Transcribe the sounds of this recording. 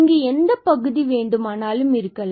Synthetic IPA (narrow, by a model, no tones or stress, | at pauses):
ŋɡeːɛnd̪ɐpɐɣɯðiʋeːɳɖɯmaːnaːlɯmɪɾɯkːɐl